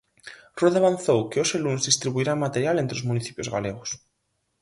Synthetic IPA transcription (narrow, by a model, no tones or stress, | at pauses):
roðaβanθowkeoselunzðist̪ɾiβuiɾamat̪eɾjalent̪ɾeozmuniθi̥pjozɣa̰leɣ̞os